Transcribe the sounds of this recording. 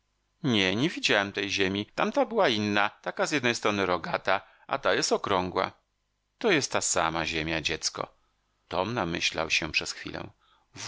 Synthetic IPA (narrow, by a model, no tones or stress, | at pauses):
ɲɛɲɛvʲid͡ʑawɛmt̪ɛjʑemʲit̪amt̪abɘwainːat̪akazjɛd̪nɛjst̪ɾɔnɘɾɔɡat̪a | ʔa̰t̪ajɛst̪ɔkɾɔŋɡwa̰ | t̪ɔjɛst̪ːasa̰maʑemʲjad͡ʑɛt̪skɔ̰ | t̪ɔmnamɘ̰ɕla̰wɕɛpʂɛsxfʲḭlɛ̰̃